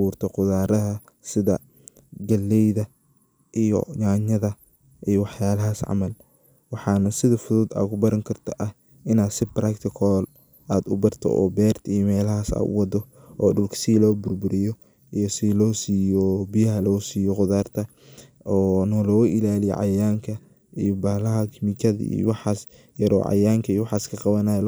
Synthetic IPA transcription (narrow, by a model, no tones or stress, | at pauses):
ɑβuːrt̪ʰɐqʊðaːɾɐðɐ | sɪðɐ | ɡɐlːɛjðɐ | ʔijɔ̰ɲaːɲɐðɐ | ʔijɔwɑħjaːlɐɦaːsʕɑ̰mɐl | wɑħɑːnɐsɪðɐfʊðuːd̪a̰ːkʰʊbɐɾɐŋkʰɐrt̪ʰɐʔɐh | ɪnaːd̪sɪbɾɐkt̪ʰɪkʰɔl | aːd̪ʊbɐrt̪ʰɔ̰ʔɔ̰ːbɛːrt̪ʰijmɛːlɐɦaːsa̰ːd̪ʊ̰wɑd̪ɔ | ʔɔːɖʊlkʰsɪlɔːbʊrbʊɾɪjɔ | ijɔsilɔːsiːjɔbijɐɦɐlɔːsiːjɔqʊðaːrt̪ʰɐ | ɔːnɔlɔːwʊʔɪlaːlɪjɔ̰ʕɑ̰jaːŋkʰɐ | ijɔbaːlɐɦɐkʰɪmikʰɐðɐ̰ḭjɔ̰wɑħɑːs | jɐɾɔ̰ːʕɑ̰jaːŋkʰɐijɔwɑħɑːskʰɐqɑβɐnaːj